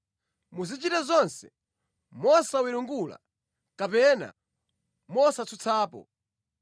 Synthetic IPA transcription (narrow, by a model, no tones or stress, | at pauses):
muzit͡ʃitɛzɔnsɛ | mɔsawiɾuŋɡula̰ | kapɛna̰ | mɔsat͡sʰut͡sʰaːpɔ̰